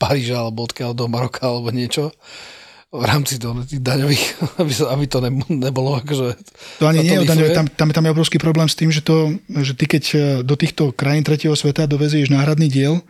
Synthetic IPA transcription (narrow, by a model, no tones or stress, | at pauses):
paɾiːʒaalɛbɔɔt̪kald̪ɔmaɾɔkʰaalɛbɔɲɪɛt͡ʃɔ | vɾaːmt͡sit̪ɔnɛt̪iːɣd̪aɲɔʋiːxabiabit̪ɔnɛnɛbɔlɔakɔʒɛt̪ɔaɲiɲɪɛjɛɔd̪aɲɔʋɛt̪amt̪amt̪amjɛɔbɾɔʊskiːpɾɔblɛːmst̪iːmʒɛt̪ɔʒɛt̪ikɛcd̪ɔt̪iːxt̪ɔkɾajint̪ɾɛcɪɛɦɔsʋɛt̪ad̪ɔʋɛzʊɛʒnaːɦɾad̪niːɟɪɛl